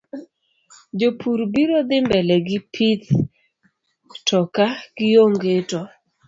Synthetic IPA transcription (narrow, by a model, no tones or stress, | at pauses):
d͡ʒopʰuɾbiɾod̪ɪmbɛlɛɡɪpʰit̪ | tɔkaɡ̥ɪjoŋɡetɔ